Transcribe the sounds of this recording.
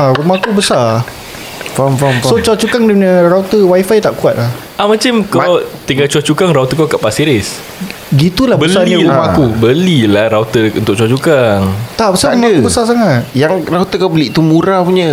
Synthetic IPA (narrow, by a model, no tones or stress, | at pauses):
aɾumãkubəsa | famfamfsot͡ʃuat͡ʃukaŋdipəɲə̃rawt̪əwaifajt̪aʔkuat̪̚lah | ʔahmat͡ʃamkamat̪iŋɡat͡ʃuat͡ʃukaŋɾawt̪əkakaʔpasiɾɪs | ɡit̪ulahbəslaiɲĩumamakubəlilahɾawt̪əunt̪ʊk̚ʔt͡ʃuat͡ʃukaŋt̪aʔbəsaumakubəsas̬aŋat̪̚jaŋrawt̪əkawbəliʔt̪umuɾapuɲə